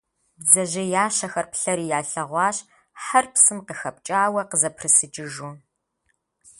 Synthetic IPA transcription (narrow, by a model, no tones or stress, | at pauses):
bzɐʑɐjaːʃɐxɐrpɬɐɾiːjaːɬɐʁʷɑːɕ | ħɐrpsɨmqəxɐp̚t͡ʃʼaːwɐqəzɐpʰrɨsɨt͡ʃʼɪʒu